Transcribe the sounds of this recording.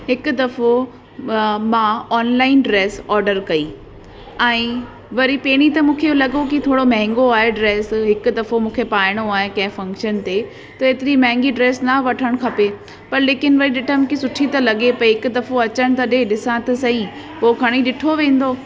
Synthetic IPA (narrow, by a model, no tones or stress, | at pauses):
ɦɪkʊ̆d̪ɐfo | mãɔːnlaːɪnɖɾeːsɔːɾɖəɾkɐiː | ɛ̃ː | ʋɐɾipeːɽ̃it̪ɐmũːkʰelɐɠokit̪ʰoːɽomɐ̃ɦɪ̃ŋɡoaːɦeɖɾeːsɦɪkʊ̆d̪ɐfomũːkʰepaːɪɽ̃oaːɦẽkɐ̃ɦɪ̃fɐ̃ŋkʃənt̪e | t̪ɐeːt̪ɪɾimɐ̃ɦɪ̃ŋɡiɖɾeːsnɐʋɐʈʰəɽ̃kʰɐpe | pɐɾleːkɪnʋɐɾiɗɪʈʰəmkisʊʈʰit̪ɐlɐɠepɐiɦɪkʊd̪ɐfoɐt͡ɕəɽ̃t̪ɐɗeɗɪsãt̪ɐsɐ̃ĩ | poːkʰɐɽ̃iɗɪʈʰoʋẽːn̆d̪oː